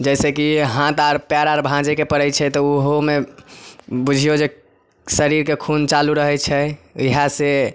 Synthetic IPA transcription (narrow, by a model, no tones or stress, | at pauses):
d͡ʒɛsekiɦãt̪aɾpjaɾaɾbʱãd͡ʒekepəɽɛjt͡ʃʰɛt̪ɔuɦome | bud͡ʒʱijod͡ʒe | səɾiɾkekʰunt͡ʃaluɾəɦɛt͡ʃʰɛiɦase